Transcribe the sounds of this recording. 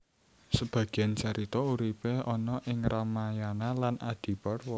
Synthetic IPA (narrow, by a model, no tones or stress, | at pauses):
səb̥ä̤ɡ̥iant͡ʃaɾit̪ɔuɾipeɔnɔʔɪŋrɔmajanalanʔad̪̥i̤pɔrwɔ